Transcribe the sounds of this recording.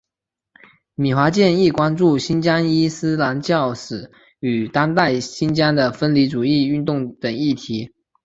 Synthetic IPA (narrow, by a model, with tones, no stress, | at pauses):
mi˨˩xwa˧˥t͡ɕjɛ˥˧ni˥˩kwa˥nʈ͡ʂu˥˩ɕi˥nt͡ɕja˥ŋi˥sɹ̩˥la˧˥nt͡ɕjɑ˥˩ʊʂɹ̩˨˩˦ | y˨˩t̪a˥ŋt̪a˥˩ɪɕi˥nt͡ɕja˥ŋd̪ə˨fə˥nli˧˥ʈ͡ʂu˨˩i˥˧y˥˧nt̪ʊ˥˩ŋt̪ə˨˩ŋi˥˩t̪ʰi˧˥